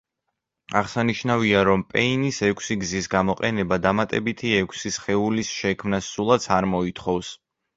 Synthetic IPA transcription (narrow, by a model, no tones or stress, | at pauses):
aʁsaniʃnaviaɾɔmpʼɛinisɛkʷʰsiɡzisɡamɔqʼɛnɛbad̪amat̪ʼɛbit̪ʰiɛkʷʰsisχɛulisʃɛkʰmnasːulˠat̪sʰaɾmɔit̪ʰχɔvs